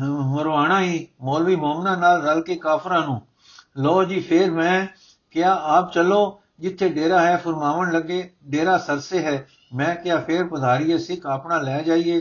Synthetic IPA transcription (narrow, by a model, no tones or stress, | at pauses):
məɾʋaːɽãːiːmoːlʋiːmoːmnãːnaːlɾəlkeːkaːpʰɾãːnũː | lɔːd͡ʒiːpʰɪːɾmɛ̃ː | kjaːaːp̚t͡ʃəloː | d͡ʒɪt̪ʰːeːɖeːɾaːɦɛːpʰʊɾmaːʋənləɡeːɖeːɾaːsəɾseɦɛː | mɛ̃ːkjaːpʰeːɾpəd̪ʱaːɾiesɪkʰaːpnãːlɛːd͡ʒaːieː